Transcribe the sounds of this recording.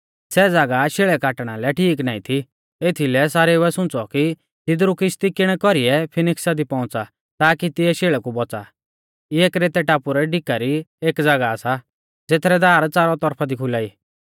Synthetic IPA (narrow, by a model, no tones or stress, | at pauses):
sɛd͡zaɡaʃeːɭɛkaːʈɽ̃alɛʈʰiːk̬naːit̪ʰi | et̪ʰilɛsaːɾɛʊɛsʊ̃t͡sɔki | t̪ɪd̪ɾukɪst̪ikɪɽ̃ɛkɔɾiɛpʰɪnɪksad̪ipɔ̃ʊ̃t͡sa | t̪aːkit̪ɪɛʃeːɭɛkubɔt͡sa̰ | ɪeːkɾeːt̪ɛʈaːpuɾɛɖɪkaɾieːkd͡zaɡaːsa | d͡zet̪ʰɾɛd̪aːɾt͡saːɾɔt̪ɔɾpʰad̪ikʰʊlaːiː